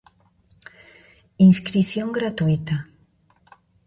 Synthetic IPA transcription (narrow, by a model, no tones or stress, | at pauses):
inskɾiθjoŋɡɾat̪uit̪a